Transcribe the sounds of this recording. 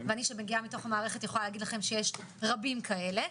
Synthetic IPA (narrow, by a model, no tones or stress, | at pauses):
veaniʃebeɡiamito̞χamaːʁeχe̞t̪jeχolaleaːɡidlaχe̞mʃejeʃʁabimkʰae̞le̞